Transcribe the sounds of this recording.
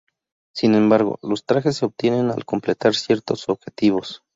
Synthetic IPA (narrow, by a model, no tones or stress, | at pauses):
sine̞mbaɾɣo̞̰lo̞st̪ɾaxes̬ːeob̚t̪je̞ne̞na̰lko̞mple̞t̪aɾsje̞ɾt̪o̞so̞βxe̞t̪iβ̞o̞s